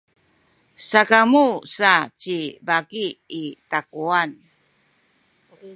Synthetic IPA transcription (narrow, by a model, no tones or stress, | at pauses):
sakamusat͡ɕibaɡiːtakuan